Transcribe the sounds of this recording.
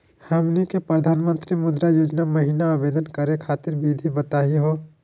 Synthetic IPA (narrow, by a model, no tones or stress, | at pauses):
həmnikepɾəd̪ʱaːnmə̃nt̪ɾimʊd̪ɾajoːd͡ʒnaməɦiːnaːbeːd̪ənkəɾekʰaːt̪ɪɾbid̪ʱibət̪aːɦiɦoː